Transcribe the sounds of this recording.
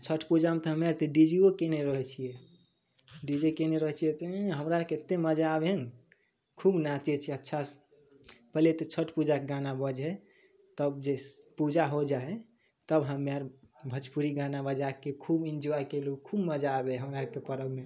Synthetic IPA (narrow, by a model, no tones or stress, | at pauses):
t͡ʃʰəʈʰpud͡ʒamet̪ɔɦəmaɾt̪eɖid͡ʒiokeneɾəɦɛt͡ʃʰijɛ | ɖid͡ʒekeneɾəɦɛt͡ʃʰijɛt̪ɔɦəmɾaɾket̪eməd͡ʒaːben | kʰubnat͡ʃet͡ʃʰiɛətːʃʰas | pəɦlet̪et͡ʃʰəʈʰpud͡ʒakeɡanabəd͡ʒɦɛ | t̪əbd͡ʒepud͡ʒaɦod͡ʒaɛ | t̪əbɦəmːaɾ | bʱət͡ʃpuɾiɡanabəd͡ʒakekʰubind͡ʒoajkelukʰubməd͡ʒaːbeɦəmɾaɾəkepəɾəɡme